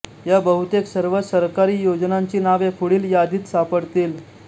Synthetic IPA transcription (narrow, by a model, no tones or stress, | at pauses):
ɦjabəɦut̪eksəɾʋəsəɾkaɾiːjod͡znaɲt͡ɕiːnaʋekʰuɽiːljad̪iːt̪sapəɽt̪iːl